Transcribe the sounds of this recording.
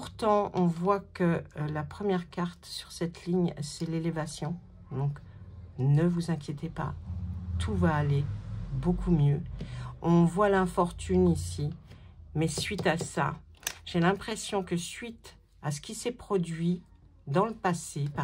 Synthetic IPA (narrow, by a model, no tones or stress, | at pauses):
pʁt̪ɑ̃ɔ̃vwakəlapχəmjɛʁkaʁt̪sy̥ʁsɛt̪liɲsɛlelevasjɔ̃ | d̪ɔ̃k | nəvuzɛ̃kʲjet̪epa̰t̪ʰuvaːlebokʰumjø | ɔ̃vwalɛ̃fɔʁt̪ynisimɛsɥit̪asa̰ʒ̥elɛ̃pχesjɔ̃kəsɥit̪ | asə̥kʲisɛpχɔd̪ɥi | d̪ɑ̃ləpasepa